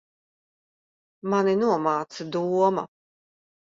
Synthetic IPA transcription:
maninuɔmaːt̪sad̪uɔmɐ̰

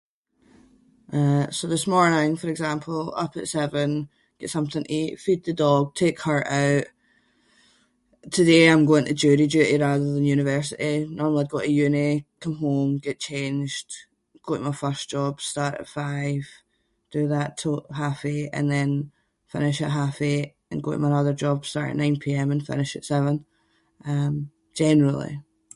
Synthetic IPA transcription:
ʔʌsoðɪsmɔɹnɪ̃ŋfə˞ɪɡzãmpʰəl̩ˠʌ̰pə̰tsɛvə̃n | ɡ̥ɛʔsʌ̃mθɪ̃ŋʔifid̪̚ðədɔɡ̚tʰekhə˞ʔaʊʔ | tʰədeãɪ̃mɡoɪ̃ŋʔʰəd͡ʒʉɾid͡ʒʉɪʔiɹaðə˞ðə̃njʉñɪvɜ˞s̬ɪʔinɔɹml̩ˠiɡɔʔəjʉnikʰʌ̃mɦomɡɛʔt͡ʃʰẽnd͡ʒd̥ | ɡ̥oəmaɪfɜ˞sd̥ʒ̥ɔb̥staɹʔə̰tfaɪv̥ | d̥əðətʰəʔɦafeʔə̰̃nðɛ̃n | fɪ̰̃nɪʃɪʔɦafeʔ | ə̃nɡoʔə̰maɪnʌðə˞d͡ʒɔb̥staɹʔɪ̰ʔnãɪ̃npʰiɛ̃mə̃nfɪ̰nɪʃɪ̰tsɛvə̃n | ʔʌ̃m̥ | d͡ʒ̥ɛnəɹəl̩ˠḭ

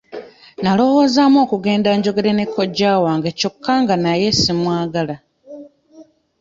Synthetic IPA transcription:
nalo̞wo̞ːzamo̞ːkuɡe̞ːndaɲɟo̞ɡe̞ɾe̞ne̞kːo̞ɟaːwaːŋɡeco̞kːaŋɡanaje̞simwaːɡala

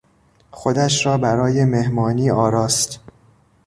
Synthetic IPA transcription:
xo̞d̪æʃɾɒːbæɾɒːjeme̞hmɒːniːʔɒːɾɒːst̪

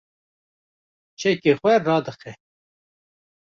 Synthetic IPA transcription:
t͡ʃʰɛkexwɛrɑːd̪ɨxɛ

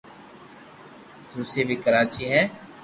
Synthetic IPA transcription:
t̪ɾuseːbʱikəɾaːt͡ʃiːɦɛː

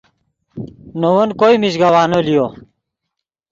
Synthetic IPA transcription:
nowonkoimid͡ʑɡɐwaːnolijo

